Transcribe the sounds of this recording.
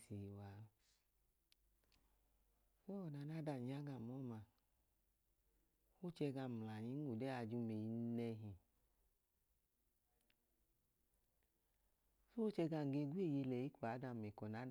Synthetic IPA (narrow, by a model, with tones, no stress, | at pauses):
si˨˧wa˨˦ | sɔ˨na˧˦na˦da˧˨ɲa˦ɡa˧˨mɔ˦˨ma˧ | fu˦t͡ʃɛ˧ɡa˧˨m˨la˨ɲi˨˦n˦u˨dɛ˦a˧d͡ʒu˦me˧ji˧nɛ˧ɦi˨ | su˦o˦t͡ʃɛ˧ɡa˧˨ŋ˨ɡe˧ɡwe˦˨je˧lɛ˨ji˦kʷa˨˦da˧˨mɛ˨kɔ˨na˨˦